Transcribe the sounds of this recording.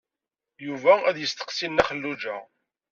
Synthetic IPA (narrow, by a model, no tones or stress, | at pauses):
juvææðjəst̪ə̥qsilnæχəlːud͡ʒæ